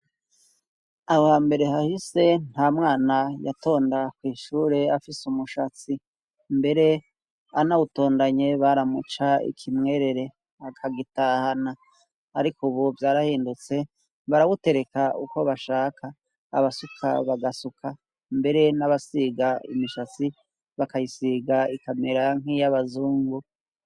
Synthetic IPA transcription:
ahohaːmbe̞ɾe̞ɦahise̞n̥haːmŋaːnaja̰to̞ːndakwiːʃuːɾe̞afisumuʃat͡si | mbe̞ɾe̞ | anauto̞ːndaɲe̞βaɾamut͡ʃaḭkʰimŋe̞ːɾe̞ɾe̞ | akʰaɡitahanaː | ɾikʰuβuvjaːɾahiːndut͡se̞ | βaɾawute̞ɾe̞kaʔuko̞βaʃaːkʰa̰ː | βasukʰa̰βaɡasukʰa | mbe̞ɾe̞naβasiɡaḭmiʃat͡si | βakajisiɡaikame̞ɾaŋ̥ijaβazuːŋɡu

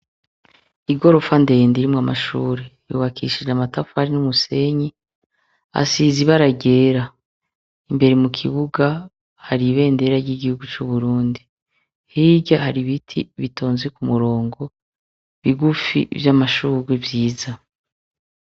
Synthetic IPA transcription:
iɡo̞ɾo̞fande̞ːndiɾimŋama̰ʃṵːɾejṵːβakʰḭʃid͡ʒamatafaɾinumuse̞ɲi | a̰siːziβaɾaɟe̞ːɾa | imbe̞ɾemukʰiβuɡa | haɾiβe̞ːnde̞ɾaɾɟiɡihuɡut͡ʃuβuɾuːndi | hiːɟahaɾiβitʰḭβitʰoːnzekumuɾo̞ːŋɡo̞ | βiɡufḭvjamaʃuːɾevjiːza

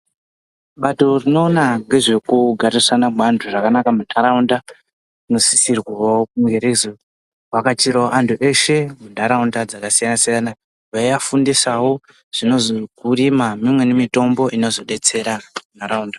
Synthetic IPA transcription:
ɓato̞rino̞ːnaŋɡe̞ʐe̞kuɡʱarisanabʱandʰʱuʐakanakamunʰaɾaunda | nosi̥sirwawokuŋɡe̞ɾezo | wakat͡ʃiɾaoʔanduʔe̞ʃe̞mundʱaɾaundad͡zakasijanasijana | βajafundisawo̞ | ʐ̥ino̞zokurimamimwe̞nemito̞mbo̞ʔino̞zo̞ɗe̞t͡se̞ɾamunaɾaunda

